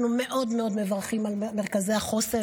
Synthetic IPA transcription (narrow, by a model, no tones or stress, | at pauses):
numeʔo̞d̪meo̞d̪me̞vaʁχimalmeʁkazejaχo̞se